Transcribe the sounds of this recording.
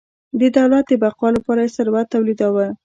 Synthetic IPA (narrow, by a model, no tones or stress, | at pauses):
d̪əd̪awlat̪̚d̪əbaqwɑlapɑɾajesaɾwat̪ːawlid̪awə